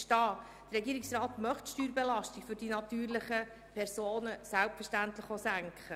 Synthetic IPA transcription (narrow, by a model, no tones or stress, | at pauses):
ʃtɑː | d̥ərɾɛɡiːɾɪksrɑːt̪mœχtʃtyːɾbelɑʃtiɡ̥fʏɾd̥inɑt̪yːɾlɪχə | pʰɛɾsoːnəsælpfəʃtænt̪ləχosæŋkχə